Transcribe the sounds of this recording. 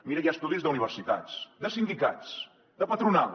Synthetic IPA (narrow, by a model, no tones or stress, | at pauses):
miɾəjast̪uðizðəuniβ̞ərsit̪a̰t͡sd̪əsind̪ika̰t͡s | d̪əpət̪ɾuna